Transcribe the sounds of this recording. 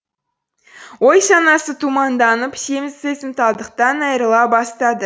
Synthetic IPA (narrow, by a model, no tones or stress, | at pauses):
wo̞jʃɑnɑsət̪ʰumɑnd̪ɑnəpsemɪzsesɪmt̪ɑlˠd̪əq̚t̪ɑnɑjɾlˠɑbɑst̪ɑd̪ə